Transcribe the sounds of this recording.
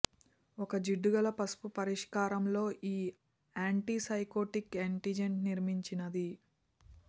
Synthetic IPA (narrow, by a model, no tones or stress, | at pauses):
ɔkɐd͡ʒiɖːuɡɐlɐpɐspupɐɾiʂkaːɾɐmlo̞ːʔiː | aːɳʈiːsɐjkoːʈikeɳʈid͡ʒeɳʈniɾmiɲt͡ʃinɐd̪i